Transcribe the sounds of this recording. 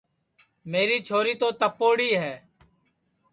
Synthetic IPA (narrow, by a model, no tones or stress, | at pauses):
meːɾiːt͡ʃʰoːɾiːt̪oːt̪əpːoːɽiːɦɛː